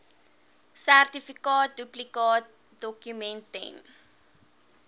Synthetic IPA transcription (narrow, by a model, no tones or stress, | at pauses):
særtifikɑːt̚duplikɑːt̚ | dɔkjumɛ̃ntɛ̰n